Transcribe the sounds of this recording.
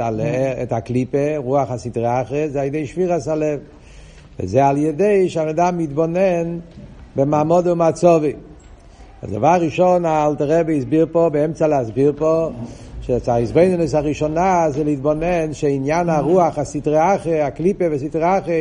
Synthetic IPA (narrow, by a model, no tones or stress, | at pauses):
alɛɛtaklipeʁuaχasitʁeaχəzealˠjədeɪʃviʁasalɛv | vɪ̰zɛalˠjɛdeɪʃamədamidbɔnɛnbɪmaːmɔdəʊmat͡sɔvi | a̰zɡa̰vaʁiʃɔnaalˠtəʁɛbeisbiɾpɔbeɛmt͡salas̬biɾpɔ | ʃet͡saizboɪnɪnɪs̬aʁiʃɔnazelitbɔnɛnʃeinjanaʁuaχasitʁeaχəaklipevis̬itʁaχə